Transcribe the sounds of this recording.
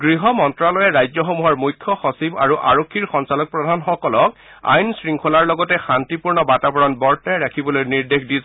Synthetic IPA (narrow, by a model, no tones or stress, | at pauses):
ɡɹiɦɔmɔntɹalɔjɛɹajzɔxɔmuɦɔɹmujkʰːɔxɔsibaɹuʔaɹokʰːiɹxɔnsalɔk̚pɹɔdʱanxɔkɔlɔk | a̰jnsɹiŋkʰolaɹlɔɡɔtɛxantipuɹnɔbatabɔɹɔnbɔɹtajɹakʰibɔlojniɹdexdiz